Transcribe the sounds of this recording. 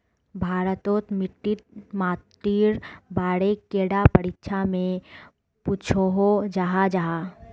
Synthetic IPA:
bʱaːɾət̪oːt̪mɪʈːɪt̪̚maːt̪ːiːɾbaːɽekːeːɽapəɾɪtːʃʰamẽ | puːt͡ʃʰoɦod͡ʒaɦad͡ʒaːɦaː

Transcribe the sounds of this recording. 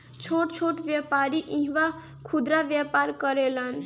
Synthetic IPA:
t͡ʃʰoʈt͡ʃʰoʈʋjapaɾiʔĩɦʋa | kʰud̪ɾaʋjapaɾkəɾelən

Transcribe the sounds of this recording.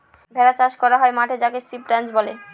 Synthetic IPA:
bʱɛɾat͡ɕaʃkɔɾaɦɔemaʈʰed͡ʑakesip̚ɖand͡ʑbole

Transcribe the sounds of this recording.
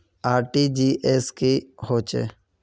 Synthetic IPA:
aːɾʈiːd͡ʒiːʔeːskihoːt͡ʃḛː

